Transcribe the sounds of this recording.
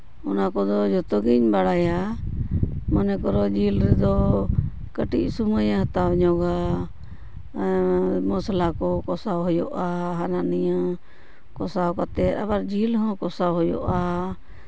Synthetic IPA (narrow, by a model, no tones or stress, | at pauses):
ɔnakɔd̪ɔd͡ʒɔt̪ɔɡiɲbaɽaja | manɛkɔɾɔd͡ʒilɾɛd̪ɔ | kəʈic̚suməjaɦət̪abɲɔɡa | mɔslakɔkɔsawɦɔjɔʔaɦanaʔnija | kɔsawkat̪ɛt̪abaɾd͡ʒilɦɔ̃kɔsawɦɔjɔ̰ʔa